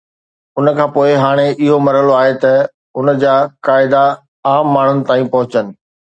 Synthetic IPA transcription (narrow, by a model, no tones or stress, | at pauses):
ʊnə̆kʰãːpoːɪɦaːɽ̃eʔɪɦomɐɾəloaːɦet̪ɐ | ʊnə̆d͡ʑaːkaːɪd̪a | aːmːaːɳ̤ʊnɪ̆t̪aːĩpɐɦʊt͡ɕənɪ̆